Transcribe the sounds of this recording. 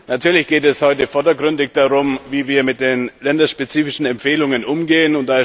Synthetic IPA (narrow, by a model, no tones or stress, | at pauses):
natʰyːɐlɪçɡ̥eːtɛshɔʏtəfɔɐdɐɡʁʏndɪçd̥aʁʊmviːviːɐmɪt̚d̥eːnlɛndɐʃpet͡siːfɪʃn̩ɛmpfeːlʊŋənʔʊmɡeːənʊntd̥aːɪ